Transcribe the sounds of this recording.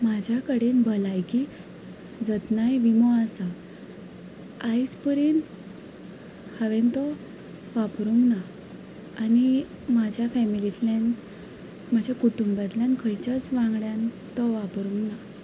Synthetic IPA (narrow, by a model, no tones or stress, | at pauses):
mad͡ʑʱjakəɽenbəlajki | d͡zət̪najʋimɔasa | ajspəɾiːn | həʋent̪ɔ | ʋapɾuŋɡnaː | ni | mad͡ʑʱjafɛmilit̪lan | mad͡ʑʱjakuʈumbat̪ljankʰəjt͡ɕat͡sʋãŋɡɽjãn | t̪ɔʋapɾũŋɡna